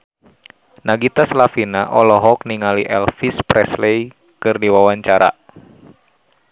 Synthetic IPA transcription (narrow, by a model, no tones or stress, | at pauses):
naɡit̪aslafinaʔɔlɔɦɔkniŋaliʔɛlfispɾɛslej | kɨrdiwawaɲt͡ʃaɾa̰